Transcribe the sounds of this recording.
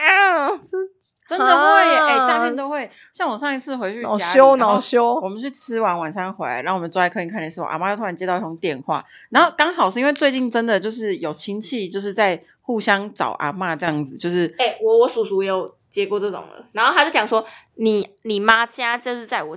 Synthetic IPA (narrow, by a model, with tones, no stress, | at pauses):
ʈ͡ʂə˦nd̪ə˨xwe˥˨˩ɪe˥˩t͡ɕja˥pʰjɛ˥˨nt̪o˥ʊxwe˥˩ɪ | ɕjɑ˥˩ŋwɔ˨˩ʂɑ˥˧ŋi˧˩t͡sʰɹ̩˥˨xwe˧ɪt͡ɕʰy˥˧˨a˥ɕjo˦˥ʊnɑ˨˩ʊɕjo˥ʊwɔ˨˩mə˦nt͡ɕʰy˥˩t͡sʰɻ̩˦˥wa˧˦nwa˨˩nsɑ˥˧ŋxwe˧˥ɪ˨˩˥wmə˦nt͡sɔ˥a˧˥ɪkʰɤ˧˥i˨˩kʰa˥˩n˨˩ʂɻ̩˥˩wɔ̰˨˩ʔa̰˧˩ma˧˥˧t̪ʰu˥a˧˥nt͡ɕjt̪ɑ˥˧ʊi˥˩ʈ͡ʂo˧˥ŋt̪jɛ˥˧˨nxwa̰˥˩ | na˧˦no˥˩ʊkɑ˥ŋxɑ˨˩ʊʂɻ̩˥˧i˥nwt͡swe˥˧ɪt͡ɕi˥˩nʈ͡ʂə˦˥nd̪ə˨t͡ɕjo˥˧ʊʂ̬ɻ̩˥˩jo˨˩ʊt͡ɕʰi˥ŋt͡ɕʰi˥˩t͡ɕjo˥˧ʊʂ̬ɻ̩˥˧t͡sa˥˧ɪ | xu˥˩ɕjɑ˥ŋʈ͡ʂɑ̰˨˩ʊʔa̰˨˥ma˥˧ʈ͡ʂɤ˥jɑ˥˩ŋd͡zɹ̩˨˩t͡ɕjo˥˧ʊʂɻ̩˥˩e˥˩wɔ˨˦wɔ˨˦˥su˨˩su˨˦jjo˨˩ʊ | t͡ɕjɛ˧˥ko˥˧ʈ͡ʂɤ˥˩ʈ͡ʂo̰˨˩ŋlə̰˦na˧˦no˥˩a˥t͡ɕo˥˩ʊt͡ɕjɑ˨ŋswɔ˥ | ni˨˩ | ni˨˩ma˦t͡ɕja˥t͡ɕo˥˧ʂɻ̩˥˧t͡sa˥˩ɪwɔ˨˩